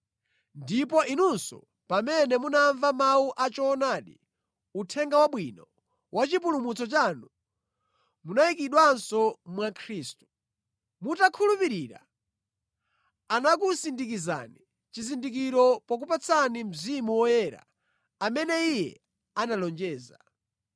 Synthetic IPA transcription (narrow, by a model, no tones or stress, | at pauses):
ndip̬ɔʔinunsɔ̰ | pamɛnɛmunaɱvamauʔat͡ʃɔːnaːɗḭ | utʰɛŋɡawaɓwinɔ | wʔat͡ʃip̬ulumut͡sɔt͡ʃanu | munaikiɗwansɔmwakʰɾiːstu̥ | mutakʰulupiɾiɾa̰ | anakusindikiza̰ni | t͡ʃizindik̬iɾɔpak̬upat͡sʰanim̩zimuwɔjɛɾa̰ | amɛnɛijɛ̰ | analɔnd͡ʒɛːza̰